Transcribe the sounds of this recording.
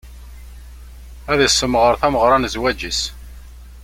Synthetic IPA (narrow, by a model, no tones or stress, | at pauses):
æðəsːəmːʁəɾθæməʁɾˤɑnzwæd͡ʒis